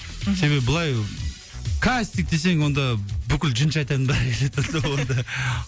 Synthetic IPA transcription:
se̞βe̞bɪbʊlˠɑj | kʰast̪ik̚d̪e̞s̬e̞ŋwo̞nd̪ɑbʏkʲɪld͡ʒənʃɑjt̪ɑt̪ənbæɾkʲeʒet̪ːesowond̪ɑ

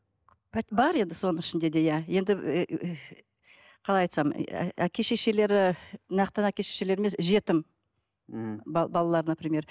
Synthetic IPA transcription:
pʰæbɑɾe̞nd̪ɪso̞nəŋɪʃɪnd̪e̞d̪e̞jæje̞nd̪ɪ | qʰɑlˠɑjɑjt̪sɑm̰ækʲʰe̞ʃe̞ʃe̞le̞ɾɪnɑqt̪ənækʲe̞ʃeʃe̞le̞ɾmesʒe̞t̪ɪm | bbɑlˠɑlˠɑɾənəpɾimʲe̞ɾ

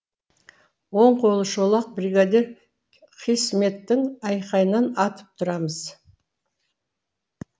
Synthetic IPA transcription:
wo̞ɴqʰo̞lˠəʃolˠɑq̚briɡad̪ʲe̞ɾ | qʰijsme̞t̪ːɪŋɑjqɑjənɑnɑt̪əp̚t̪ʰʊɾɑməz̥

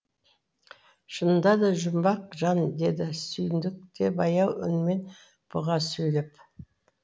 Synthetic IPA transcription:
ʃənd̪ɑd̪ɑʒʊmbɑqʒɑnd̪e̞d̪ɪsʏjɪnd̪ɪk̚t̪e̞bɑjɑwʏ̰nme̞n | b̥ʊʁɑsɵjlɪp

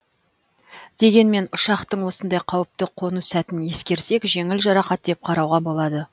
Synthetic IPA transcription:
d̪̥e̞ɡʲe̞nme̞nʊʃɑqt̪əɴwo̞sənd̪ɑjqʰɑwəp̚t̪əqʰo̞nusæt̪ɪnje̞skʲe̞ɾse̞kʒe̞ŋɪlʒɑɾɑqɑt̪̚d̪ep̚qʰɑɾɑwʁɑbo̞lˠɑd̪ə

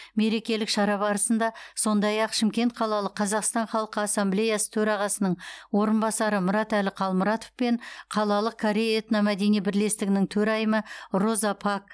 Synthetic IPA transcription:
me̞ɾe̞kʲe̞lɪkʃɑɾɑbɑɾəsənd̪ɑso̞nd̪ɑjɑqʃɪmkʲe̞nt̪̚qʰɑlˠɑlˠəqʰːɑzɑqst̪ɑnχɑlˠəqəɑsːamble̞jasə̥t̪ʰɵɾɑʁɑsənəɴwo̞ɾənbɑsɑɾəmʊɾɑt̪ælɪqʰɑlˠmʊɾɑt̪ofpe̞ɴqʰɑlˠɑlˠəq̚kʰoɾʲejet̪nɑmæd̪e̞nijbɪɾle̞st̪ɪɡʲɪnɪŋt̪ʰɵɾɑjəməro̞zɑpʰɑk̚

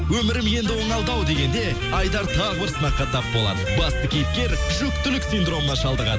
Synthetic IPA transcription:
wɵmɪɾɪmje̞nd̪ɪwo̞ɴɑlˠd̪ɑwd̪e̞ɡʲe̞nd̪e̞ | ɑjd̪ɑɾt̪ʰɑʁəbɪɾsənɑqːɑt̪ʰɑp̚bo̞lˠɑ̰d̪əbɑst̪əkʲʰejɪp̚kʲe̞ɾ | ʒ̥ʏk̚t̪t̪ʏlɪksind̪ɾo̞mɴɑʃɑlˠd̪əʁɑ̰d̪ə

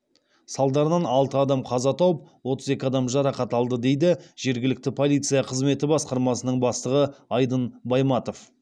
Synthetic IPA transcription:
sɑlˠd̪ɑɾənɑnɑlˠt̪əɑd̪ɑmqʰɑzɑt̪ʰɑwəp̚wo̞t̪əze̞kʲɪɑd̪ɑmʒɑɾɑqɑt̪ɑlˠd̪əd̪e̞jd̪ɪʒ̥e̞ɾɡʲɪlɪk̚t̪ɪpʰo̞lˠijt̪sɨjɑqʰəzme̞t̪ɪbɑsqɑɾmɑsənəɴbɑst̪əʁəɑjd̪ənbɑjmɑt̪o̞f

